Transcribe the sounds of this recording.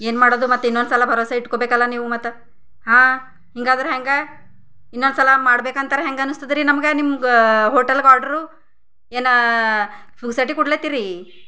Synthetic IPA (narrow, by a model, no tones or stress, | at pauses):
e̞ːnmaːɽoːd̪umɐt̪ːuinːond̪sɐlɐbʱɐɾoːsɐiʈkobeːkɐlːɐniːʋumɐt̪ːu | ɦãː | hiŋɡaːd̪ɐɾuɦeŋɡe | inːod̪sɐlɐmaːɽbeːkɐnt̪ɐɾeɦeŋɡeɐnːust̪id̪iɾinɐmɡenimɦoːʈelɡaːɾɖɐɾu | eːnɐ | puɡsɐʈ̬ikuɽleːt̪iɾi